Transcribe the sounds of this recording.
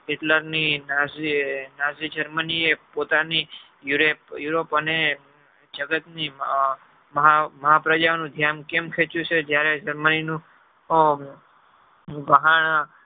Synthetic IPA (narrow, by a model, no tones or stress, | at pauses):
ɪʈləɾninazinazid͡ʒəɾməniepot̪ani | juɾepjuɾopəne | d͡ʒəɡət̪ni | məɦaməɦapɾəd͡ʒaonũd̪ʱjankemkʰet͡ʃjũt͡ʃʰed͡ʒjaɾed͡ʒəɾməninũ | bəɦaɳ